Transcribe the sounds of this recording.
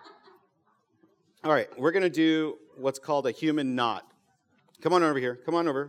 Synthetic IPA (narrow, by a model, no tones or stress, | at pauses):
ɔlˠɹaɪt̚wɪɹɡʌñɨdɨ | wʌtskʰɔlˠdɨhjʉmɨ̃nːɑ̰t̚ | kʰʌ̃mə̃novə˞hiɹkʰʌ̃mə̃ñoʊvə˞